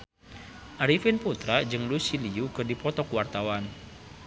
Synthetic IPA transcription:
ʔaɾifinput̪ɾad͡ʒɨŋlusiliukɨrdipɔt̪ɔkwart̪awan

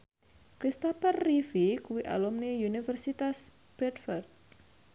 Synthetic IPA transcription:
kɾist̪ɔpərːifikuwiʔa̰lɔmniunifərsit̪as | b̥ɾɛd̪fɔrt̪̚

